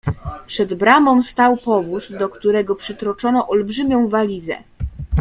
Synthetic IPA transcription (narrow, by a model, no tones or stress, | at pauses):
pʂɛd̪bɾamɔ̃st̪awpɔvusd̪ɔkt̪uɾɛɡɔpʂɘt̪ɾɔt͡ʂɔnɔʔɔlbʐɘmʲjɔ̃w̃valʲizɛ̰